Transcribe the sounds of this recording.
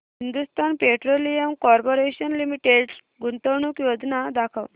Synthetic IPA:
hind̪ust̪ʰanpeʈɾolijəmkɔɾpoɾeɕənlimiʈeɖs | ɡunt̪əwɳukjod͡znad̪akʰəʋ

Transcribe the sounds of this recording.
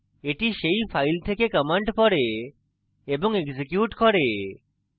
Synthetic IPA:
eʈiʃejpʰajlt̪ʰekekəmeɳʈpɔɾe | eboŋeɡzikjuʈkɔɾe

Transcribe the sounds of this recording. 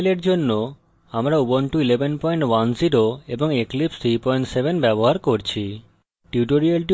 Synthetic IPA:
leɾd͡ʑonːo | amɾaubonʈuilebʱenpɔjɳʈwanziɾoeboŋeklipst̪ʰɾipɔjɳʈsebenbɛboɦaɾkoɾt͡ɕʰi | ʈiuʈoɾialʈi

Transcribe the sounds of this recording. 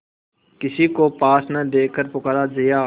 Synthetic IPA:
kɪsiːkoːpaːsnəd̪eːkʰːəɾpʊkaɾaːd͡ʒɪjaː

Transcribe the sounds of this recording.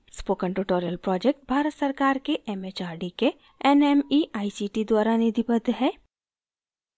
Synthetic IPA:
spoːkə̃ɳʈuʈoːɾijəlpɾɔːd͡ʒek̚ʈ̚bʱaːɾət̪sɐɾkaːɾkeʔɛmeːt͡ʃaːɾɖike | ɛnɛmiaːisiʈid̪waːɾaned̪ipəd̪ʱɦɛː

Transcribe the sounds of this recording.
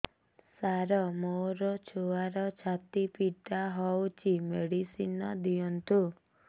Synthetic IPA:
saɾɔmoɾɔt͡ʃʰoaɾɔt͡ʃʰat̪ipiʈaɦɔwt͡ʃʰimeɽisinɔd̪iɔnt̪ʰu

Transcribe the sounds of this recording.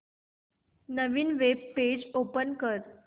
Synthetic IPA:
nəʋiːnʋebːed͡ʑopənkəɾ

